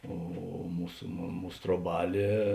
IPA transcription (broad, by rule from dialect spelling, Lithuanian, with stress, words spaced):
ˈoː ˈmuːs ˈmuːs troːˈbɑːlʲeː